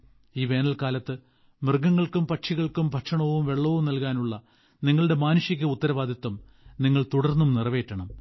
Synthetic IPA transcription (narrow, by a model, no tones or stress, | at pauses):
iːʋe̞ːnɐlkaːlɐt̪ːɨ | mɨrɡɐŋːɐɭkumpɐʈʂiɣɐɭkumpɐʈʂɐɳɐʋumʋe̞ɭːɐʋumnɐlkaːnuɭːɐ | niŋːɐɭɨɽe̞maːnuɕik̬ʲːɐut̪ːɐɾɐʋaːd̪ʱɐt̪ːɐm | niŋːɐɭt̪uɽɐrnːumnirɐʋe̞ːtːɐɳɐm